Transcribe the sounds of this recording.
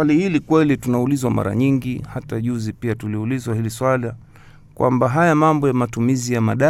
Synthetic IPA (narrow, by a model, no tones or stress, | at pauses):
alihilikwɛlitunaulizwama̰ɾa̰ɲiŋɡihataʄuzipiatuliulizwahiliswali | kwʔa̰mbaɦajamambɔjamatumizijamaɗa